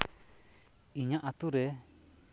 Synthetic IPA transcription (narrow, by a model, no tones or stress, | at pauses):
iɲaʔat̪uɾɛ